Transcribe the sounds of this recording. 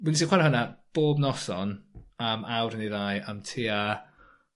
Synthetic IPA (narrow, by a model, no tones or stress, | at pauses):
winisiχwaɾahənab̥oːbnɔsɔnamawɾəniðaːjamtʰiːa